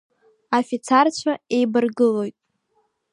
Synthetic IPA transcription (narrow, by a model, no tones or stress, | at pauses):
afit͡sʰart͡ɕʷʰae̞jbɨrɡɨlo̞jtʼ